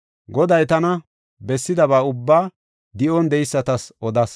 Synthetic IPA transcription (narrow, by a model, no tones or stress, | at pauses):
ɡɔd̪ɐjt̪ɐnɐ | bɛsːɪd̪ɐβaːʊbːaː | d̪ɪʔɔnd̪ɛjɪsːɐt̪ɐsʔɔd̪ɐs